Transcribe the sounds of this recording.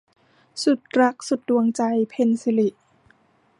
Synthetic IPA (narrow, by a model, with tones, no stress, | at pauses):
su˨˩t̪̚ɾa˦˥k̚su˨˩t̪̚du˧əŋt͡ɕa˧jpʰe˧nsi˧li˨˩ʔ